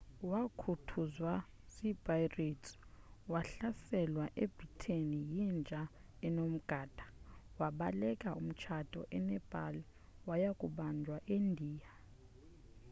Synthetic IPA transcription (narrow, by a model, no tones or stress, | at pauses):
wakʰutʰuzwa | zib̥ʱʼajretʰʼi̥waɬasɛlwaʔeb̥ritʰenijind͡ʒʱa | ɛnom̩ɡ̥ʱaːd̥ʱḁwaɓalɛkʼaum̩t͡ʃʰad̥ʱʼɔ̰ʔɛnɛb̥ʱa̰li | wajakʼuɓand͡ʒʱwaʔendʱiːja